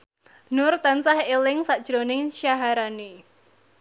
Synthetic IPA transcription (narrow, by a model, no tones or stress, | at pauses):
nʊrt̪ansahelɪŋsad̥ʒ̥ɾonɪŋʃjaɦaɾane